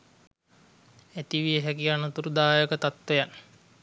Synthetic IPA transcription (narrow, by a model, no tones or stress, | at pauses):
et̪iʋieɦækianot̪uɾud̪aːjəkət̪at̪ʋejan